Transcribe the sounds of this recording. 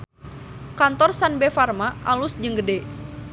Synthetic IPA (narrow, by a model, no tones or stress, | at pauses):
kant̪ɔrsanbefarmaʔalusd͡ʒəŋɡədɛ